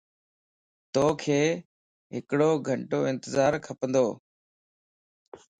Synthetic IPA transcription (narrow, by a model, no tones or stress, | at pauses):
t̪oːkʰeː | ɦɪkɽoːɡʱəɳʈoːɪ̃nt̪əzaːɾkʰəpənd̪oː